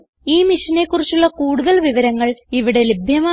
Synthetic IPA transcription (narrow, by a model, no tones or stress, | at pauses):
iːmiʂɐne̞kːurit͡ɕːuɭːɐkuːɽuðɐlʋiʋɐɾɐŋːɐɭiʋiɽe̞lebʱjɐmaː